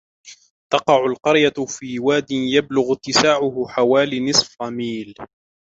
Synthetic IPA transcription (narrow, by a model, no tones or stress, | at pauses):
t̪ɑqɑʕʊlqɑɾjafiːwaːd̪ɪnjablʊɣʊt̪ːɪsaːʕʊhʊħawaːlinɨsˤfɑmiːl